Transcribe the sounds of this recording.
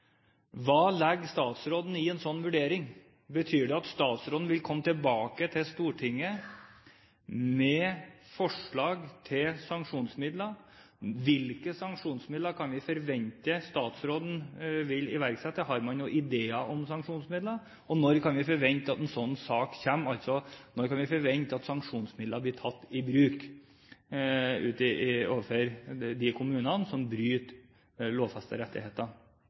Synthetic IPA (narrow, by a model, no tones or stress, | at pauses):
ʋɑːlɛɡːst̪ɑːt̪sɾoːd̪n̩ɪɛnsɔnːʋʉɖeːɾɪŋ | bət̪ʰyːɖɛɑt̪st̪ɑːt̪sɾoːd̪n̩ʋɪlkʰɔmːət̪ɪlbɑːkət̪ʰɪst̪uːʈʰɪŋːə | mɛfɔʂɭɑːɡt̪ʰɪlsɑŋkʂuːnsmɪd̪lə | ʋɪlkəsɑŋkʂuːnsmɪd̪ləkʰɑnʋɪfɔɾʋɛɲt̪əst̪ɑːt̪sɾoːd̪n̩ʋɪlɪʋæɾksɛt̪ːəɦɑɾmɑnjʊʔɪd̪eːəʔɔmsɑŋkʂuːnsmɪd̪lə | ɔnɔɾkʰɑnʋɪfɔɾʋɛɲt̪ɑt̪ɛnsɔnːsɑːkçæmɑlt̪sɔnɔɾkɑnʋɪfɔɾʋɛɲt̪ɑt̪sɑŋkʂuːnsmɪd̪ləblɪt̪ʰɑt̪ːɪbɾʉːk | ʉ̰ːt̪ɪoːʋəfɔɾd̪ɪkʰʊmʉːnənsɔmbɾyːt̪ | loːʋfɑst̪ə̰ɾɛt̪ːɪ̰heːt̪ə